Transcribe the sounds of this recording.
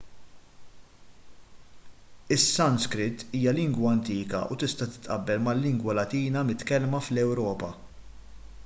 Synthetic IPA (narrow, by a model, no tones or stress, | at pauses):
ɪsːɐnskɾɪt̪ːiːjɐlɪŋɡwɐɐnt̪iːkɐ̰ʔut̪ɪst̪ɐt̪ɪ̥t̪ʔɐ̰bːɛlmɐlːɪŋɡwɐlɐt̪iːnɐmɪt̪kɛlmɐflɛwɾɔːpɐ